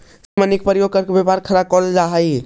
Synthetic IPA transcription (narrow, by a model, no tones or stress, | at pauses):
simanik̚pəɾjoɡ̚kəɾkebepaɾkʰəɾakɔld͡ʒaɦəj